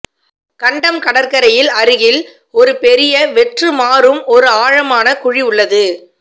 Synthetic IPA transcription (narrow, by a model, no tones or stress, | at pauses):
kɐɳɖɐmkɐɽɐɾkɐɾɐjɪlɐɾɯɣɪl | ɔɾɯpɛɾɪjɐʋɛʈrɯmaːɾɯmɔɾɯaːɻɐmaːnɐkʊɻiʊɭːɐðɯ